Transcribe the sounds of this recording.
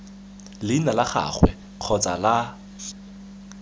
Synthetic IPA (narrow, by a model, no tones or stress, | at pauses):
lɪnalaχa̰χwɛ̰ | q͡χʰɔt͡sʼala